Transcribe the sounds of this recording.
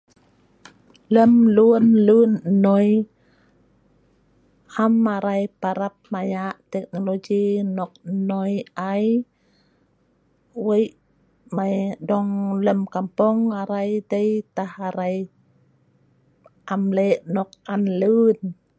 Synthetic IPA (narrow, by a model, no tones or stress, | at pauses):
lemluənlɯːnːɔj | hamaɾajpaɾap̚majaʔt̪ek̚noloɡiːnɔk̚nɔjʔaj | wəjʔ | majdɔŋləmkampɔŋaɾajdajt̪ahaɾaj | ʔamleʔnɔk̚ʔanlɯːn